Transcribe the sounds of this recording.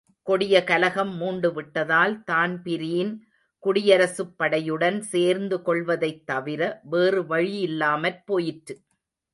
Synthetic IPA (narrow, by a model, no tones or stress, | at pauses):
kɔɽɪjɐkɐlɐɣɐmːuːɳɖɯʋɪʈːɐðaːlt̪aːnpɪɾɪjɪn | kʊɽɪjɐɾɐsɯpːɐɽɐjɯɽɐnseːɾnd̪ɯkɔɭʋɐðɐɪt̪ːɐʋɪɾɐʋeːrɯʋɐɻɪjɪlːaːmɐɾpoːjɪʈɾɯ